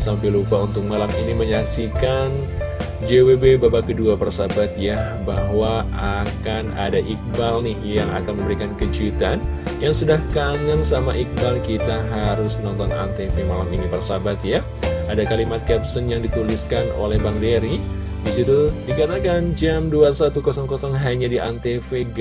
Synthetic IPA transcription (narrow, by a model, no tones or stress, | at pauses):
sampilupaunt̪ʊk̚malaminiməɲaksikan | d͡ʒewebebabakəduapərsabat̪ja | baɦwa | akana̰daʔik̚balnɪhjaŋa̰kanməmbəɾikankət͡ʃit̪an | jaŋsudahkaŋansamaʔik̚balkit̪aɦaɾʊsmənɔnt̪ɔŋa̰nt̪efemalamiŋipərsabat̪ja | adakalimat̪̚kɛp̚sənjaŋdit̪uliskano̰lɛhbaŋdeɾi | dis̬it̪udikat̪akand͡ʒamduasat̪ukosɔŋkosɔŋɦaɲadiʔa̰nt̪efe